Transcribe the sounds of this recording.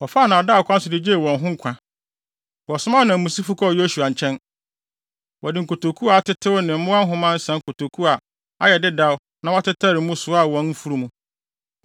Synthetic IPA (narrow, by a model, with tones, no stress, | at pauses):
wɔ˨fa˦˨nã˨da˦˨kʰʷã˦n̩˦sʊ˨dɪ˦d͡ʑe˦˨wɔ̃˨nɦʊ̃˦ŋ̩˦kʷʰã˨ | wɔ˨sʊ˦mã˦˨nã˨mũ˨si˦fu˦kʰɔ˦˨je˦su˨a˨ɲ˨t͡ɕʰɛ̃˦n | wɔ˨dɪ˨ŋ̩˨ko˨tʰo˨kʰu˦a˨a˨˦tʰɪ˦tʰɪ˦wʊ˦nɪ̃˨m̩˦mʊ̃˦a˦ɦʊ̃˦mã˦n̩˦sã˦ŋ̩˦kʰo˨tʰo˨kʰu˦a˨ | a˦jɛ˨dɪ˦da˦ʊ˦ | nã˦wɔ˦tʰɪ˦tʰa˦˨ɾɪ˨mũ˦sʊ˨a˦˨wɔ̃˨˦n˦m̩˦fu˦ɾu˦mũ˦